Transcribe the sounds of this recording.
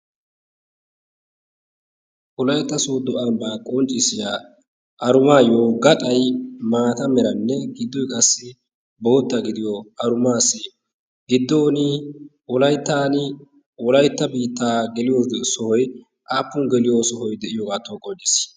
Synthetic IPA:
ʔɔlɐjt̪ːɐsoːd̪ɔʔɐmbaːkʼɔnt͡ʃʼːɪsɪjaː | ʔɐɾʊmaːjoːɡɐt̪ʼɐjmaːt̪ɐmɛɾɐnːɛɡɪd̪ːɔjkʼɐsːɪ | bo̞ːt̪ːɐɡɪd̪ɪjɔɐɾʊmaːsːɪ | ɡɪd̪ːoːnɪ | wɔlɐjt̪ːaːnɪ | wɔlɐjt̪ːɐbiːt̪ːaːɡɛlɪjoːsɔhɔj | ʔaːpːʊnɡɛlɪjoːsɔɦɔjd̪ɛʔɪjɔkʼat̪ːoːkʼɔnt͡ʃʼːɪs

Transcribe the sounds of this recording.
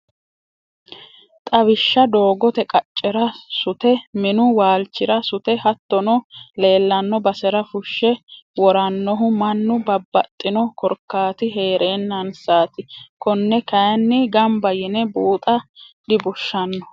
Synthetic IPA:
t̪ʼɐβɪʃːɐd̪o̞ːɡɔt̪ɛkʼɐt͡ʃʼːɛɾɐsʊt̪ɛmɪnʊwaːlt͡ʃːɪɾɐsʊt̪ɛhɐt̪ːɔnɔle̞ːlːɐnːɔbɐsɛɾɐfʊʃːɛwɔɾɐnːɔɦʊmɐnːʊbɐbːɐt̪ʼːɪnɔkɔɾkːaːt̪ɪɦe̞ːɾʔeːnːɐnsaːt̪ɪkɔnːɛkɐjɐnːɪɡɐmbɐjɪnɛbuːt̪ʼɐd̪ɪbʊʃːɐnːɔ

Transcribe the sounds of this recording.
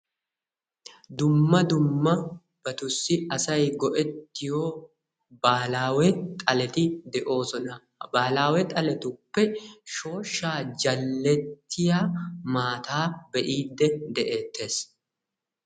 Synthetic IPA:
d̪ʊmːɐd̪ʊmːɐ | b̥ɐt̪ʊsːɪɐsɐjɡɔʔɛt̪ːɪjo̞ː | baːlaːwɛt̪ʼɐlɛt̪ɪd̪ɛʔo̞ːsɔnɐ | baːlaːwɛt̪ʼɐlɛt̪ʊpːɛʃo̞ːʃːaːd͡ʒɐlːɛt̪ːɪjaːmaːt̪aːbɛʔiːd̪ːɛd̪ɛʔe̞ːt̪ːe̞ːs

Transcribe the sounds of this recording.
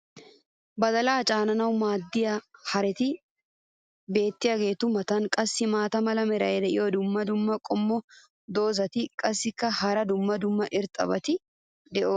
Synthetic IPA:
bɐd̪ɐlaːt͡ʃʼaːnɐnɐwmaːd̪ːɪjɐhɐɾɛt̪ɪ | be̞ːt̪ːɪjɐɡe̞ːt̪ʊmɐt̪ɐnkʼɐsːɪmaːt̪ɐmɐlɐmɛɾɐjɛd̪ɛʔɪ̰jod̪ʊmːɐd̪ʊmːɐkʼɔmːɔ | d̪o̞ːzɐt̪ɪkʼɐsːɪkːɐhɐɾɐd̪ʊmːɐd̪ʊmːɐʔɪɾt̪ʼɐ̰bɐt̪ɪ | d̪ɛʔoː

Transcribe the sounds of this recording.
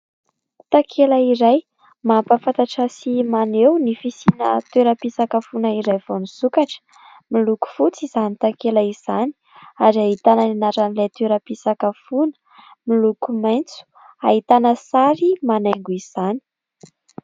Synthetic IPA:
t̪akʰelaiɾaj | mampafat̪aʈ͡ʂasimanewnifisina̰t̪eɾəpisakəfunəiɾajvonusukaʈ͡ʂə̥ | miluku̥fut͡sizanit̪akelaiz̥ani̥ | aɾiaɦit̪anəninaɾanilet̪eɾəpisakəfunə̥ | milukumajnt͡su̥ | aɦit̪anəsaɾimanaŋɡuiz̥ani̥

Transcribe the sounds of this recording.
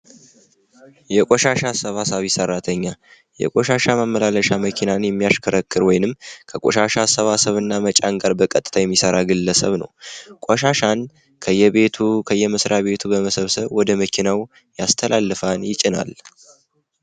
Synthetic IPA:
jɛkʼoʃaʃasəβasəβjɪsəɾːat̪ʰəɲːa | jɛ̰kʼoʃaʃaməmːəlaləʃaməkʰinanjɛmːijaʃkʰəɾəkːɨɾwɔjnɨmːkʰəkʼoʃaʃasəβasəβɨnːamət͡ʃʼaŋɡaɾbəkʼət̪ʼɨ̥t̪ʰajɛmːisəɾaɡɨlːəsəβnə̰wkʷʼɔʃaʃan | kʰəjːɛβe̞t̪ʰukʰəjːɛmɨsɾʔaβe̞t̪ʰubəməsəβsəβwɔd̪əməkʰinaw | jast̪ʰəlʔalːɨfanjɪt͡ʃʼɪna̰l

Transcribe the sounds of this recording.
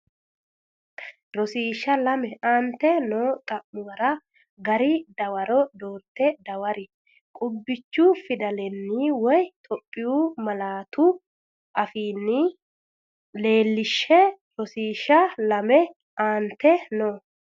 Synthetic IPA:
ɾɔsiːʃːɐlɐmɛaːnt̪ːɛnoːt̪ʼɐmːʊɡɐɾɐ | ɡɐɾɪd̪ɐwɐɾɔd̪o̞ːɾt̪ːɛd̪ɐwɐɾɪ | kʼʊbːɪt͡ʃːufɪd̪ɐlɛnːiːwɔjt̪ʼɔpʼːɪjuːmɐlaːt̪ʰʊ | ʔɐfiːnːɪ | le̞ːlːɪʃːɛ | ɾɔsiːʃɐlɐmɛ | ʔaːnt̪ːɛnoː

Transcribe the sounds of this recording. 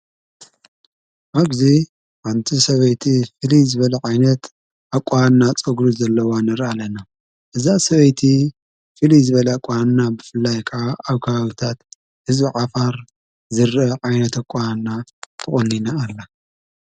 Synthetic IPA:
ʔaɡzi | ħant̪ʰisɐβɐjt̪ʰifɨlizɨβɐlɐʕajnɐt̪ | ʔakʷʼːanːat͡sʼɐɡɾuzɐlːɐwanɐɾalɐna | ʔɨzasɐβɐjt̪ʰi | fɨlizɨβɐlɐakʷʼannabɨfɨlːajkʰɨʕaʔaβkʰaβaβit̪ʰat̪ | hɨzβiʕafaɾ | zɨɾɐʕajnɐt̪akʼːaanːat̪ʰɨχʼɨnːinaːlːa

